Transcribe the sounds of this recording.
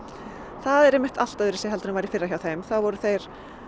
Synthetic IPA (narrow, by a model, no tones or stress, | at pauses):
θaðɛɾɛjmːɪht̪al̥t̪aðʏɾɪsjɛhɦɛlt̪anɪmvajɾɪfɪrːaçawθejmθavɔɾʏθejɾ̥